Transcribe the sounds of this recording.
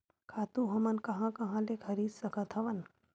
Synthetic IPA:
kʰaːt̪ũɦɐmɐnkɐɦãkɐɦãlekʰɐɾiːd̪sɐkɐt̪ʰɐʋɐn

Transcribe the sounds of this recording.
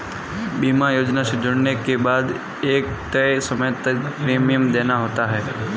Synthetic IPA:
biːmajoːd͡ʒnaʃɪd͡ʒəɽnekebaːd̪ | eːk̚t̪əjsəmət̪əpɾeːmijəmd̪enaɦoːt̪aɦɛː

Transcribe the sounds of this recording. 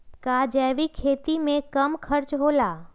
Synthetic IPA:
kad͡ʒɛːʋikʰeːt̪imẽkɐmkʰəɾt͡ʃɦoːlaː

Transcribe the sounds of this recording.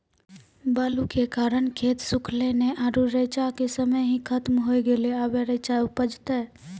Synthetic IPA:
baːlukekaːɾəɳkʰet̪sʊkʰleneʔaːɾuɾət͡ʃakesəməjɦĩkʰət̪mɦojɡeleaːbeɾət͡ʃaupəd͡ʒt̪ɛ

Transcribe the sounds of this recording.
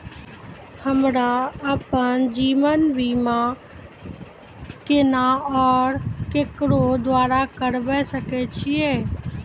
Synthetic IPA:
həmɾaəpənd͡ʒiːʋənbʱiːmã | kɪnaɔːɾkekɾod̪ʋaːɾakəɾbɛsəket͡ʃʰieː

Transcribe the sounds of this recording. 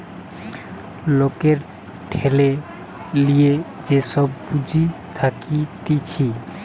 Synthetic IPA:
lokeɾ | ʈʰele | lie | d͡ʑesɔbːud͡ʑit̪ʰakit̪it͡ɕʰi

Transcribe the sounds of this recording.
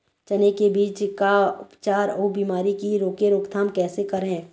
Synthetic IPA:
t͡ʃɐnekebiːt͡ʃkaʊpt͡ʃaːɾoːbiːmaːɾikiɾoːkeɾoːkt̪ʰaːmkɛːsekɐɾɦɛ̃ː

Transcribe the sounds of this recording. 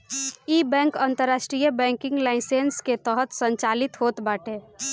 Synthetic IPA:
iːbɛ̃ːŋkə̃nt̪əɾːaːʃʈɾijəbɛ̃ːŋkɪ̃ŋɡlaɪsensket̪əɦət̪sə̃ɲt͡ʃaːlɪt̪ɦoːt̪baːʈeː

